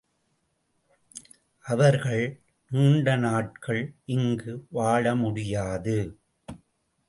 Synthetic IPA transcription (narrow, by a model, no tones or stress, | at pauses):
ʔɐʋɐɾɣɐɭ | nuːɳɖɐnaːʈ̚kɐɭʔɪŋɡɯʋaːɻɐmʊɽɪjaːðɯ